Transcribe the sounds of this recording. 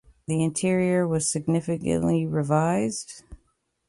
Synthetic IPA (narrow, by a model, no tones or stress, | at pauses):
ðiɨ̃ntʰɪɹiə˞wʌz̥sɨɡ̚nɪfɨkɨ̰̃nʔliɹɪvaɪzd̥